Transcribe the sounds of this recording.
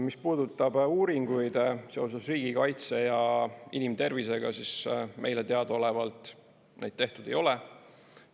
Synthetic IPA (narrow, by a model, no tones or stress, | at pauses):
mispuːd̪ut̪ːˑɑb̥uːɾiŋɡ̥ujd̪̥se̞o̞s̬esriːɡ̥ikɑjt̪se̞jɑinimt̪e̞rvise̞ɡ̥ɑsismʔe̞jlet̪eɑd̪o̞le̞vɑlt̪ˑ | nejd̪̥̚t̪eht̪ud̪e̞jo̞le